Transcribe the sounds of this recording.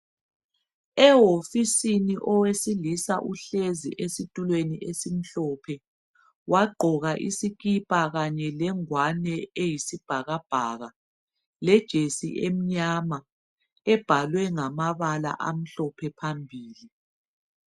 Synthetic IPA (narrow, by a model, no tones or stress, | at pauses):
ɛɦofisiniʔɔwesilisaʔuɬezḭʔesitʼulweniʔesim̩ɬɔpʰɛ | waɡ͡ǃʱɔɣaʔisikipʼaɣaɲɛlɛŋwanɛejisib̥ʱaɣab̥ʱaɣa | lɛd̥ʒ̥ʱesḭʔem̩ɲama | ɛb̥ʱalwɛŋamaβala̰ʔam̩ɬɔpʰɛpʰambʱiːli